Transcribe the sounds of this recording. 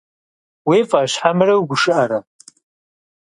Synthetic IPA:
wifaʃħamrawɡʷʊʂɨʔaɾa

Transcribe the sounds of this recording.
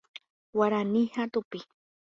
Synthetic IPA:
waɾanihat̪upi

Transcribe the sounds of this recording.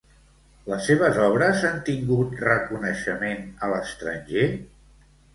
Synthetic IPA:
ləsːeβ̞əzɔβ̞ɾəzant̪iŋɡut̪rəkunəʃəmenələst̪ɾənʲʒe

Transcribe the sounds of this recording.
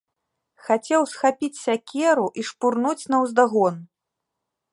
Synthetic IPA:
xat͡sʲɛwsxapʲit͡sʲsʲakʲɛɾuʔiʂpurnut͡sʲnɐwzd̪aɣɔn

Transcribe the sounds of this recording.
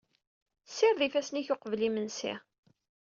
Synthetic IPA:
sːɪɾðifæsniçoqvlimənsḭ

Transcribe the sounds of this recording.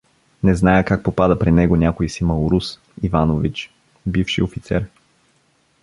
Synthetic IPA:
nɛznajəkak̚popad̪əpɾinɛɡonʲakoisimɐʊɾus | ivanovit͡ʃ | bifʃḭofit̪sɛ̰ɾ

